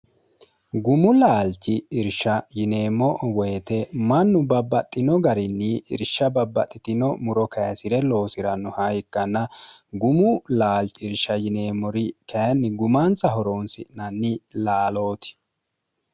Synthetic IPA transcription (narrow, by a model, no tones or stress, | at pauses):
ɡʊmʊlaːlt͡ʃːɪɪɾʃɐjɪne̞ːmːɔwɔjɛt̪ɛmɐnːʊbɐbːɐt̪ʼːɪnɔɡɐɾɪnːɪɪ̰ɾʃɐbɐbːɐt̪ʼːɪt̪ɪnɔmʊɾɔkɐjɐsɪɾɛlo̞ːsɪɾɐnːʊhɐjɪkːɐnːɐɡʊmʊlaːlt͡ʃɪɾʃɐjɪne̞ːmːɔɾɪkɐjɐnːɪɡʊmansɐɦɔɾoːnsɪʔnɐnːɪlaːlo̞ːt̪ɪ̥